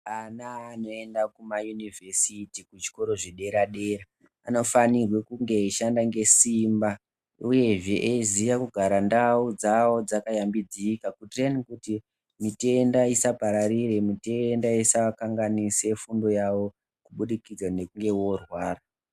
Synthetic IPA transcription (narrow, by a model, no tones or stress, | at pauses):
anaːno̞e̞ndakumajunive̞sitikut͡ʃi̥ko̞ɾo̞ʐeɗe̞ɾaɗeɾa | ano̞fanirwe̞kuŋɡe̞iʃandaŋɡe̞simba | uje̞ʐeʔezijakuɡʱaɾandaud͡zawo̞d͡zakajambid͡ziːkakutrenikuti | mite̞ndaisapaɾaɾire̞mite̞ndaisakaŋɡanise̞fundo̞jawo̞ | kuɓuɗikid͡zane̞kuŋɡe̞wo̞rwaːra